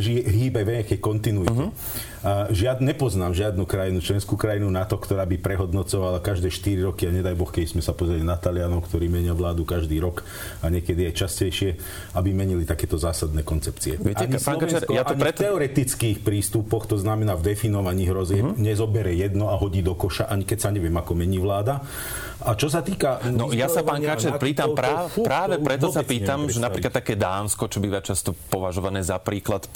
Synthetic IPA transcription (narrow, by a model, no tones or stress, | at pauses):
ʒiɦiːbajʋɛakɛkɔnt̪inuit̪ɛ | ʒɪaɲɛpɔznaːmʒɪad̪nukɾajinut͡ʃlɛnskuːkɾajinunat̪ɔkt̪ɔɾaːbipɾɛɦɔd̪nɔt͡sɔʋalakaʒd̪ɛːʃt̪iɾiɾɔkiaɲɛd̪ajbɔxkɛd̪izmɛsapɔzɾɛlinat̪alɪanɔʊkt̪ɔɾiːmɛɲiaʋlaːd̪ukaʒd̪iːɾɔk | aɲɪɛkɛd̪iajt͡ʃascɛjʃɪɛ | abimɛɲilit̪akɛːt̪ɔzaːsad̪nɛːkɔnt͡sɛpt͡siɛ̰ʔaɲpaːnkat͡ʃɛɾjat̪ɔpɾɛt̪ɛɔɾɛt̪it͡skixpɾiːst̪upɔxt̪ɔznamɛnaːvd̪ɛfinɔʋaɲiːɦɾɔziɛɲɛzɔbɛɾɛjɛd̪nɔaɦɔɟiːd̪ɔkɔʃaʔaɲikɛcsaɲɛʋɪɛmakɔmɛɲiːʋlaːd̪a | at͡ʃɔs̬at̪iːkanɔjasapaːnkat͡ʃɛɾpiːt̪ampɾaːpɾaːʋɛpɾɛt̪ɔsapiːt̪amʒɛnapɾiklat̪ːakɛːd̪aːnskɔt͡ʃɔbiːʋat͡ʃast̪ɔpɔʋaʒɔʋanɛːzapɾiːklat̪